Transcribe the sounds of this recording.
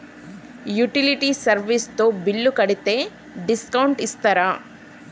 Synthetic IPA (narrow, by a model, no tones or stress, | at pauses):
juʈiliʈisɐɾʋist̪oːbilːukɐɽit̪eː | ɖiskɐwɳʈist̪ɐɾa